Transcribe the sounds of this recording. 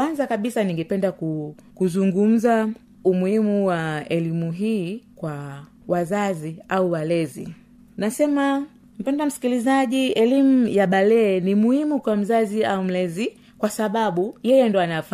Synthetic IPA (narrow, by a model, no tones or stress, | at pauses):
wanzakaɓisaniŋɡɛpɛndaku | kuzuŋɡum̩za | umuhimuwaɛlimuɦiːkwa | wazaziauwalɛzḭ | nasɛma | m̩pɛndam̩si̥kilizaʄiɛlimuujaɓalɛːnimuhimukwam̩zaziaum̩lɛzi | kwasaɓaɓujɛjɛndɔanaf